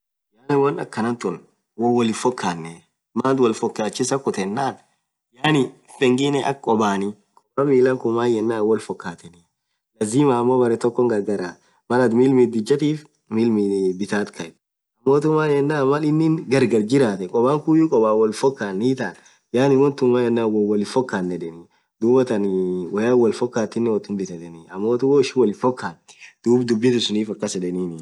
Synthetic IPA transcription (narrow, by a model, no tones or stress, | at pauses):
jaːnɪwɐnɐkːɐnɐnt̪ɔn | wɔwɔlɪfɔkʰːaːnːɛ | maːnt̪wɐlfɔkːaːt͡ʃːɪsɐkʊt̪ɛnːaːn | jaːnɪfɛŋɡɪnɛʔɐ̰kkʼɔbaːni | kʼɔbamiːlɐŋkʊmːaːjɛnːaːwɔlfɔkːaːt̪ɛnɛ | lɐziːmaːɐmːoːbɐɾɛt̪ɔkːɔŋɡɐɾɡɐɾaː | mɐlɐt̪miːlmit̪̚d̪ɪd͡ʒːɐt̪iːf | miːlmibɪt̪aːt̪kʰɐɛ | ɐmːoːt̪ʊmːaːjɛnːaːmɐlɪnːɪŋɡɐɾɡɐɾd͡ʒɪɾaːt̪ɛkʼɔbaːŋkujʊkʼɔbaːwɔlfɔkːaːnːiːt̪aːn | jaːnɪwɔnt̪ʊnmaːjɛnːaːwɔwɐlɪfɔkːaːnːɛᶑɛni | d̪uːbɐt̪ɐnwɐjaːwɐlfɔkːaːt̪ːɪnːɛwɔt̪ːʊnbɪt̪ɐt̪ɛniɐmːoːt̪ʊmoːɪʃɪwɔlɪfɔkːaːnd̪̥uːbd̪ʊbːɪt̪ʊsʊniːfɐkːɐsɛᶑɛniːnɪ